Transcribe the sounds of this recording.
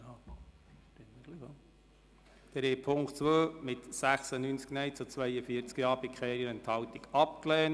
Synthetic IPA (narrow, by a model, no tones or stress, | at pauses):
ɪnəɡ̥lio | d̥ɛɾɛpʰʊŋktt͡sʋøːmɪt̪sæχsənynt͡sknɛjt͡sut͡sʋɛjəfiəɾt͡skjɑːbikχɛːɾjənənt̪hɑwt̪iɡ̥ɑp̚klɛːn